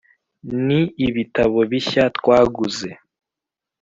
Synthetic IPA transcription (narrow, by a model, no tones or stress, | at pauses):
niiβitaβo̞βiçatkwaːɡuze